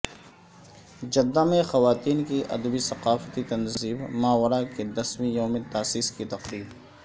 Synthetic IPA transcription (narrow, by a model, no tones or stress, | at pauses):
d͡ʒɐd̪ːamẽxɐʋaːt̪iːnkiʔɐ̰d̪bisɐqaːft̪it̪ɐnziːbmaːwəɾaked̪ɐswĩjõmẽt̪aːsiːskit̪ɐqɾiːb